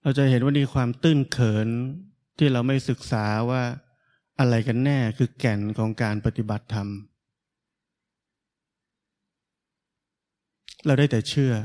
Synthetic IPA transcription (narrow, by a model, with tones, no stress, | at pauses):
ɾa˧wt͡ɕa˨˩ʔhe˩˦nwaː˥˩miː˧kʰwaː˧mt̪ɯ˥˩ŋkʰɤː˩˦n | t̪ʰiː˥˩ɾa˧wma˥˩jsɯ˨˩k̚saː˩˦waː˥˩ | ʔa˧ɾa˧jka˧nːɛː˥˩kʰɯː˧kɛ˨˩nkʰɔː˩˦ŋkaː˧npa˧t̪i˨˩ba˨˩t̪ʰːa˧m | ɾa˧wdaː˥˩jt̪ɛː˨˩t͡ɕʰɯ˥˩ɐ